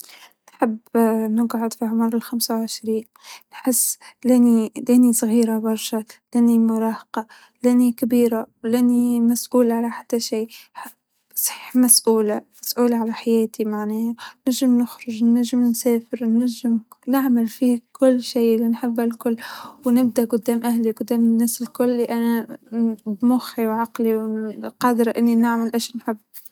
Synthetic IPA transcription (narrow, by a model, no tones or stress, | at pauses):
nħɪbːnɪɡʕʊd̪fiʕʊmɑɾˤɪlxamsawʕɪʃɾiːn | nħɪsːlanilænisˤɣiːɾabɑɾˤʃalɪnimʊɾˤɑːhqɑ | lanikabiːɾalanimasʔuːlʕalaħat̪ːaʃiː | sˤħi̥ːħmasʔuːlamasʔuːlaʕalaħajeːt̪imaʕneːhanaʒːɪmnɪxɾʊʒnaʒːɪmnsaːfɪɾnːaʒːɪmnɪʕmalfikʊlːʃiːɪlːinħɪbːalkʊlːwnɪb̚d̪aʔɡʊd̪ːaːmʔahliɡʊd̪ːaːmɪnːæːsɪlkʊlːiʔana | bmʊxːiwʕɑqliwqɑːd̪ɾʔɪnːinɪʕmalʔaːʃnħɪbː